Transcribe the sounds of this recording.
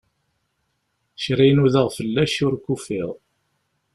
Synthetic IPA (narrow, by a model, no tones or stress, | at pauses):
ʃɾijnuðəʁfəlːæʃʊɾkufɪðˤ